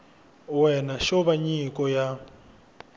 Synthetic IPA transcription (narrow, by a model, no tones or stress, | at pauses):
wɛnaʃɔβaɲikʼɔja